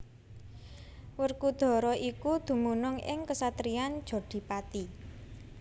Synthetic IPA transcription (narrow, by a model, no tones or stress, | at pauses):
wərkud̪̥ɔ̤ɾɔʔikud̪̥ṳmunʊŋɪ̰ŋkəsat̪ɾian̥ʒ̥o̤ɖ̪̥i̤pat̪i